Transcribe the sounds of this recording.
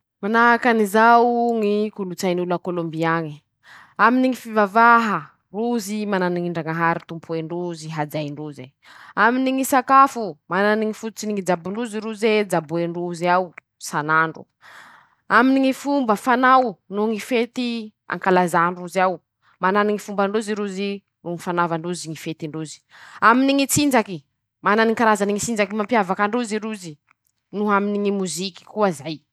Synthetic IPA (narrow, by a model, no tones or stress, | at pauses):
manaɦakanizawŋikulut͡sajnulakolombiani | aminiŋifivavaɦə | ruzimananiŋiɳɖ͡ʐaŋaɦaɾit̪umpʰueɳɖ͡ʐuziɦad͡zajɳɖ͡ʐuze | aminiŋisakafumananiŋifut̪ut͡siniŋid͡ʒabuluziɾuzed͡zabueɳɖ͡ʐuzaw | sanaɳɖ͡ʐṵ | aminiŋifumbəfanawnuŋifet̪i | a̰ŋkalazaɳɖ͡ʐuziaw | mananiŋifumbaɳɖ͡ʐuziɾuzi | ruŋifanavaɳɖ͡ʐuziŋifet̪iɳɖ͡ʐuzi̥aminiŋit͡sind͡ʒaki | mananiŋkaɾazaniŋit͡sind͡zakimampjavakaɳɖ͡ʐuziɾuzi | nuaminiŋimuziki̥kuazaj